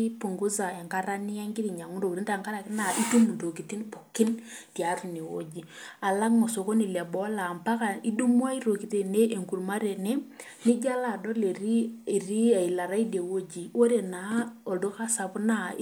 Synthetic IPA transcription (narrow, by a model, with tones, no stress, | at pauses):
i˦pu˨ŋɡu˦za˨ɛ˨ŋka˦ɾa˦nɪ˦a˦ŋkɪ˦ɾi˨ɲa˨ŋʊ˦ɾo˨ɾi˦nta˦˨ŋka˦ɾa˨kɪ˦na˨ʔi˦tu˦mu˨ɾo˨ki˨ti˦npo˨kɪ˦n | ti˨a˨˦ɾu˨ne˨wo̰˦d͡ʒi˨a˨la˦kmɔ˨so˨ko˦ni˨lɛ˨bɔ˦la˨mpa˦ka˨i˦du˦mu˦a˦i˦ɾo˨ki˨te˨ne˦e˨ŋku˨rma˦ɾe˨ne˦ | ni˦d͡ʒa˦la˨dɔ˦le˨ɾi˦e˨ri˦a˨i˨la˨ɾa˦i˦de˨wo˦d͡ʒi˨o˦ɾe˨na˨o˨do˦ka˦sa˨pna˦